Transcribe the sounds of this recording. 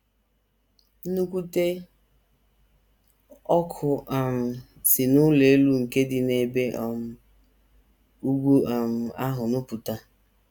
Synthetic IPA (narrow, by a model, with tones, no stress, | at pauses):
nu˦kʷu˦te˦ | ɔ˦kʰʊ˨a˨m̩˨ | sɪ˨nʊ˦le˨e˦lu˦ŋ̩˨ke˦dɪ˨ne˨be˦ʔɔ˨m̩˨ | u˦ɡʷu˦˨m̩˨a˦ɦʊ˨nʊ˦pu˨ta˦